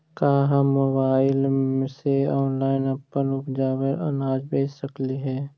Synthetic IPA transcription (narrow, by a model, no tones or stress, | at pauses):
kaːɦamobaːɪleseɔːnlaːɪnəpːənʊpd͡ʒaːwəɾʔə̰naːd͡ʒbeːd͡ʒsəkliɦɛː